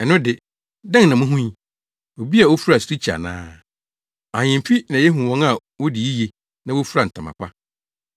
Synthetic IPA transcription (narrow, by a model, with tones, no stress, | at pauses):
ɛ˨nʊ̃˦dɪ˨ | dɛ̃˦ŋ˨nã˨mʊ̃˦ɦũ˦ɲ˦ | o˨bi˦a˨wo˦fu˦ɾa˨su̥˨ɾi˦t͡ɕʰi˨a̰˨nã̰ː˦ | a˨ɲɪ̃˨m˨fi˦nã˨jɛ˦ɦũ˨wɔ̃˦ŋa˨ | wɔ˦dɪ˨ji˦je˨ | nã˦wʊ˦fu˦ɾa˨n̩˨tʰã˨mã̰˨kʷʰa˦